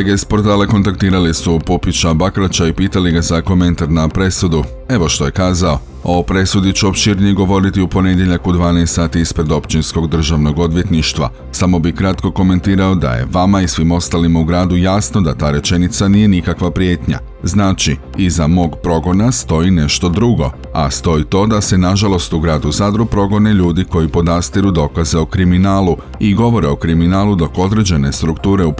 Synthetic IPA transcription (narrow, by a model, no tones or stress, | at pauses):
oeɡeispo̞ɾt̪aːle̞ko̞nt̪akt̪iːɾalisupopit͡ʃabakɾat͡ʃaipiːt̪aliɡazako̞mẽ̞nt̪aɾnapɾe̞sud̪u | e̞ʋo̞ʃt̪o̞jekaːzao̞ | o̞pɾe̞sud̪it͡ɕuo̞pʃiɾnije̞ɡo̞ʋo̞ɾit̪iupo̞ne̞d̪jeʎakud̪ʋaːneest̪ːaːt̪iːspɾe̞d̪o̞pt͡ʃinsko̞ɡd̪r̩ʒaʋno̞ɡo̞d̪ʋje̞t̪niʃt̪ʋa̰ | samo̞bikɾat̪ko̞ko̞me̞nt̪iːɾaod̪a̰jḛʋamaisʋimo̞st̪alimauɡɾaːd̪ujaːsno̞d̪at̪aːɾe̞t͡ʃe̞nit̪saniːje̞nikakʋapɾje̞ːt̪ɲa̰ | znaːt͡ʃi | izamo̞ːɡpɾo̞ɡo̞nast̪o̞ine̞ʃt̪o̞d̪ɾuɡo̞̰ | a̰st̪o̞it̪o̞ːd̪ase̞naʒalˠo̞st̪uɡɾaːd̪uzad̪ɾupɾo̞ɡo̞ne̞ʎuːd̪iko̞jipo̞d̪ast̪iɾud̪o̞kaze̞o̞kɾiminaːlu | iɡo̞ʋo̞ɾe̞o̞kɾiminaːlud̪o̞ko̞d̪ɾe̞d͡ʑe̞ne̞st̪ɾukt̪uːɾe̞up